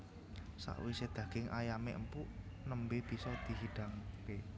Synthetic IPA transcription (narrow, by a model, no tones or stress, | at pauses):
sa̰ʔwised̪̥ä̤ɡ̥ɪŋʔajamḛʔəmpuʔ | nəmbeb̥i̤sɔd̪̥i̤ɦiɖ̥aŋke